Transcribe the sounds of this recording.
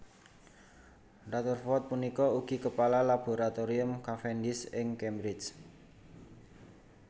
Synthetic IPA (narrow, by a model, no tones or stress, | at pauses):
rat̪urfɔt̪̚punikɔuɡ̥i̤kəpalalab̥o̤ɾat̪oɾiʊmkafɛndɪsɪŋkembɾɪt͡ʃ